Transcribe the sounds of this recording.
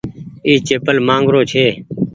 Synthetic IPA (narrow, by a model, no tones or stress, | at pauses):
iːt͡ʃeːpəlmãːŋɡɾoːt͡ʃʰeː